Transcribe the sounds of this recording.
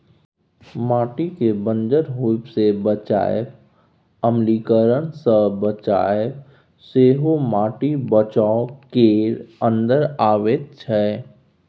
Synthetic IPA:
maːʈikebə̃nd͡ʒəɾɦupsebət͡ʃa̰ːjp | əmliːkəɾənsəbət͡ʃaːeə | seːɦomaːʈibət͡ʃakeːɾə̃nd̪əɾaːʋeːt̪̚t͡ʃʰɛ

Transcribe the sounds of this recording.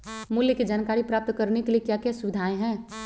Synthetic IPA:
mʊljəked͡ʒaːnkaːɾipɾaːp̚t̪kəɾnekeliekjakjɛsʊʋɪd̪ʱaːẽɦɛ̃ː

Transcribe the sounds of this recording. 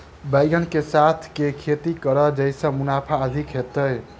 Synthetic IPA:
bəɪɡənkesat̪ʰkekʰet̪ikəɾəd͡ʒəjsə̃munapʰaəd̪ʱikɦet̪əj

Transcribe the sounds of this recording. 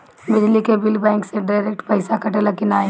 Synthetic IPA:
bɪd͡ʒlikebɪlbɛ̃ːŋkseɖaːɾeːk̚ʈpɐɪsakʰɐʈelɐkɪnaːe

